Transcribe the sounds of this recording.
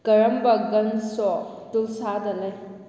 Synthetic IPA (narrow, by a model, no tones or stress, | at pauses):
kɐɾɐmbɐɡɐnsɔ | tulsadɐlɐj